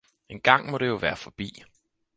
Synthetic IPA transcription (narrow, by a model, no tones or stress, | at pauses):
e̝nɡ̥ɑ̈ŋ̰mɒ̽ɾ̥e̝jo̝ʋæːɐfɒ̽b̥ḭː